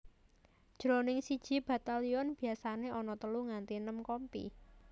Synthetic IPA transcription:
d̥ʒ̥ɾonɪŋsid̥ʒ̥i̤b̥a̤t̪aliɔnb̥i̤asaneʔɔnɔt̪əluŋant̪inəmkɔmpḭ

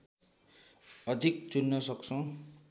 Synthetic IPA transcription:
ʌd̪ʱik̚t͡sunːʌsʌkt͡sʰʌ̃

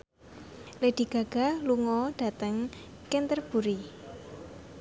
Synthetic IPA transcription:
led̥i̤ɡ̥a̤ɡ̥a̤luŋɔɖ̥a̤t̪əŋ | kɪnt̪ərb̥ṳɾi

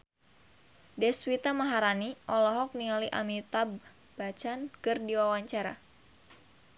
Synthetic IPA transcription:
dɛswit̪amaɦaɾaniʔɔlɔɦɔk̚nialiʔa̰mit̪ab | b̥at͡ʃankɨrdiwawaɲt͡ʃaɾa̰

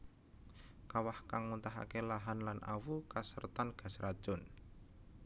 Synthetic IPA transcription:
kawahkaŋmunt̪aɦa̰kelaɦanlanʔa̰wukasərt̪anɡ̥a̤sɾad̥ʒ̥ʊ̤n

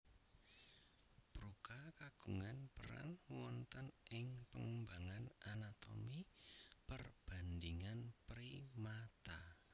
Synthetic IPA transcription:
b̥ɾukakaɡ̥uŋanpəɾa̰nwɔnt̪ənʔɪŋpəŋəmbaŋanʔanat̪o̰mipərb̥a̤nd̪iŋanpɾimat̪a

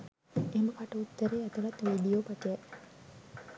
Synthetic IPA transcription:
eməkaʈəut̪ːəɾeːat̪əʋat̪ʋiɖijoːpat̪ejɛ

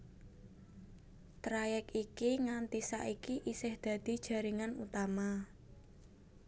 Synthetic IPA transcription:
t̪ɾajɛkikiŋant̪isa̰ʔikiʔisɪhd̪̥a̤d̪̥i̤d̥ʒ̥a̤ɾiŋanṵt̪ama

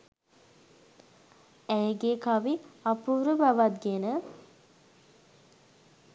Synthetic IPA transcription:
æjɡekaʋiapuːɾəbaʋat̪̚ɡenə

